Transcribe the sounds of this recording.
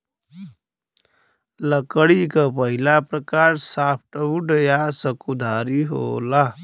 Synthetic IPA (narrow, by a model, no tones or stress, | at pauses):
ləkəɽikapəɦilapɾəkaːɾsaːpʰʈəuɖəjasəkud̪ʱaːɾiɦo̰ːlaː